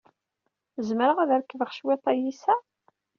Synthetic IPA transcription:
zməɾəʁæðæɾkːəvəʁʃwit̪ˤːɑjisæ

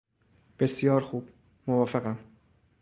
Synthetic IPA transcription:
b̥e̞sjɒːɾxuːb̥ | movɒːfeɣæm

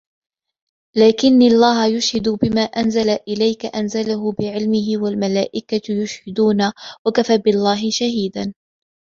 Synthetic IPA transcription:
laːkɪnːaʔlˤːaːɦajʊʃhad̪ʊbɪmaːʔanzalaʔɪlajkaʔanzalaɦʊbɪʕɪlmɪɦɪwalmalaːʔɪkajʊʃhɪd̪uːnawakafaːbɪlˤːaːɦɪʃaɦiːd̪an

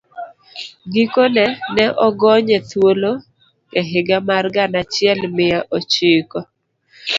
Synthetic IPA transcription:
ɡikonɛnɛʔɔɡɔɲɛt̪wolo | ŋɛɦɪɡamarɡanat͡ʃɪɛlmɪjaʔot͡ʃɪkɔ

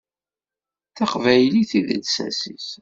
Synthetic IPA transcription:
θæqvæjliθiðəd̪sæ̰sis

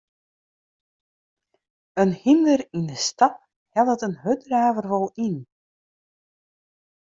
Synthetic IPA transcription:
ənhindərindəstɑt̚ | hɛlˠdətənɦødraːvərʋɔlˠin

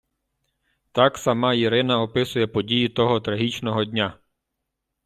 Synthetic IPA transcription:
t̪ɑksɐmɑjiɾɪnɐɔpɪsʊjɛpɔdʲijit̪ɔɦɔt̪ɾɐɦit͡ʃnɔɦɔdʲnʲa

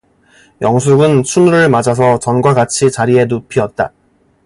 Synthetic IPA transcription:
jʌŋs̬ʰuɡɯnt͡ɕʰunuɾɯɭmad͡ʑas̬ʰʌt͡ɕʌnɡwaɡat͡ɕʰit͡ɕaɾie̞nopʰiʌt̚t͈a̰

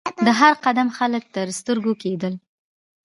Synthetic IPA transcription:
d̪əɦaɾqad̪amxalək̚t̪əɾst̪əɾɡoked̪əl

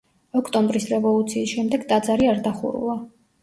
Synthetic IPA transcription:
ɔkʰt̪ʼɔmbɾisɾɛvɔlˠut̪sʰiːsʃɛmd̪ɛɡd̪ʼad̪zaɾiaɾd̪aχṵɾṵlˠa

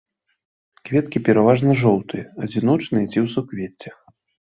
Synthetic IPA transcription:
kvʲɛt̪kʲipʲɛɾavaʐnɐʐɔwt̪ɨjɛɐd͡zʲinɔt͡ʂnɨjɛt͡sʲiwsukvʲet͡sʲːɛ̥

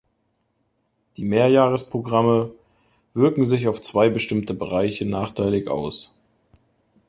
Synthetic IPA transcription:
d̥iːmeːɐjaːʁəspʁ̥oɡʁamə | v̥ɪɐkŋ̩zɪçaʊft͡sv̥aɪbəʃtɪmtəbəʁaɪçənaːχtʰaɪlɪçʔa̰ʊs

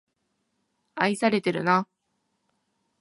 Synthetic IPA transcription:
aisaɾe̞t̪e̞ɾɯ̟̰na

